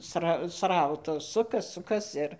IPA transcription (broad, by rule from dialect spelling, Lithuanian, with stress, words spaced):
ˈsrɐ ˈsrɐʊtɐs ˈsʊkɐs ˈsʊkɐs ˈɪr